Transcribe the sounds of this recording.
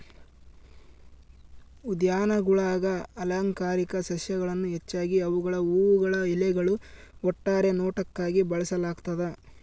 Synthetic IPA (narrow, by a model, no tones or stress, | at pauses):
ud̪jaːnɐɡuɭaːɡɐːlaːŋkaːɾikɐsɐʃjɐɡɐɭɐnːuɦet͡ʃːaːɡiɐʋuɡɐɭɐuːwuɡɐɭɐilɛɡɐɭuɔʈːaːɾe̞nɔːʈɐkːaːɡibɐɭɐsɐlaːɡt̪ɐd̪e